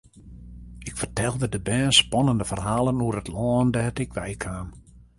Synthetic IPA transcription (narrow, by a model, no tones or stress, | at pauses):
ɪkfərtɛlˠdədəbɛːnspɔnəndəfərhaːlˠənuərətlɔːndɛːtɪkʋɛjkʰaːm